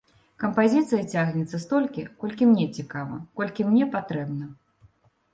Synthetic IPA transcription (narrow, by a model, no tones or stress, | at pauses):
kɐmpazʲit̪sɨjɐt͡sʲaɣnʲɛt̪sːɐst̪ɔlʲkʲikɔlʲkʲimnʲɛt͡sʲikavɐ̰kɔlʲkʲimnʲɛpat̪ɾɛbnɐ